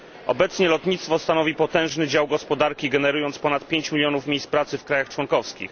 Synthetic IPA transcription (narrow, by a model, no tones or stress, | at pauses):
ɔ̰bɛt̪sɲɛlɔt̪ɲit̪st̪fɔst̪anɔvʲipɔt̪ɛ̃w̃ʐnɘd͡ʑawɡɔspɔd̪aɾkʲiɡɛnɛɾujɔnt̪spɔnat̪pʲjeɲt͡ɕmʲilʲjɔnufmʲjejspɾat̪sɘfkɾajaxt͡ʂwɔnkɔfskʲḭx